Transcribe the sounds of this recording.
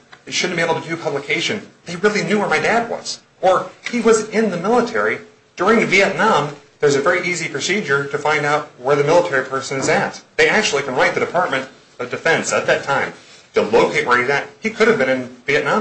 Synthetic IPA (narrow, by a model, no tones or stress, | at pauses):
eʃʊdⁿn̩b̥ieɪbl̩ˠtʰɨdɨpʰʌbləkʰeɪʃɨ̃nðeɪɹɪlˠinjʉwə˞maɪdæd̚wʌ̰z̥ | ə˞iwʌzɪ̃nðɨmɪlˠətʰɛɹi | d̥ʊɹɪ̃ŋðɨviɛtⁿnɑ̃mðə˞zɨvɛɹiʔizipʰɹ̥ɨsid͡ʒə˞ɾɨfãɪ̃ndaʊt̚wə˞ðɨmɪlˠətʰɛɹipʰɜ˞sɨ̃nɨzɨt̪̚ðeɪæk̚t͡ʃʉl̩ˠikʰə̃nɹaɪt̪̚ðɨɾɨpʰɑɹt̚mɨ̃nt | ʌvdɨfɛ̃nsɨt̪̚ðɨtʰãɪ̃mtʰɨloʊkʰeɪʔ̚wəðɨt̚hikʰʊɾɨvbɨ̃ñɨ̃nviɨʔⁿnɑ̃